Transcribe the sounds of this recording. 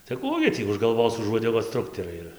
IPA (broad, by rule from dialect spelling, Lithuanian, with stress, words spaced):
tɐɪ ˈkuː ɡʲɪ tʲiː ʊʃ ɡɐlˠˈʋoːs ʊʃ uɔdʲɛˈɡoːs ˈtrʊktʲɛrɐɪ ɪr